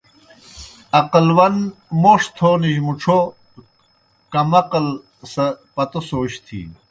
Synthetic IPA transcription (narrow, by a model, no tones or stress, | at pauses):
ɐqɐlwɐnmoːʂt̪ʰoniʑmuʈ͡ʂʰo | kɐmɐqɐl | sɐpɐt̪osoːɕt̪ʰḭ